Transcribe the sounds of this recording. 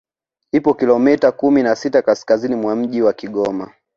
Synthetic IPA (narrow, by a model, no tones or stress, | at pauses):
ipɔkilɔmɛtakuminasitakaskazinimwam̩ʄiwakiɠɔma